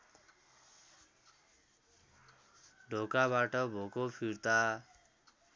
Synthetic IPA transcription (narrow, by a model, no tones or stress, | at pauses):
ɖʱokaβaʈʌbʱokopʰiɾt̪a